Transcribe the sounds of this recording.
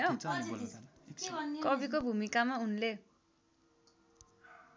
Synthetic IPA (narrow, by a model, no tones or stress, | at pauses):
o | ʌnkʌbikobʱumikamaunle